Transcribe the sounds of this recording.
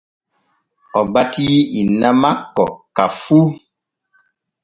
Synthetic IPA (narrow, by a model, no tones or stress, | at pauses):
ɔbatiinamakːɔ̰kafu